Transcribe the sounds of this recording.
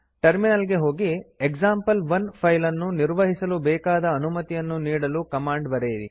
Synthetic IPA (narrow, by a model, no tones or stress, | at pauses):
ʈɐɾminɐlɡe̞ɦo̞ːɡiekzaːmpɐlʋɐnpʰɐjlɐnːuniɾʋɐɦisɐlubɛːkaːd̪ɐːnumɐt̪ijɐnːuniːɽɐlukɐmaːɳɖbɐɾeːiɾḭ